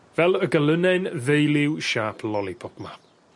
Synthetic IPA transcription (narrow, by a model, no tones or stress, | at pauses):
vɛlˠəɡələnɛnðejlɪwʃaːpʰlɔlˠipʰɔpma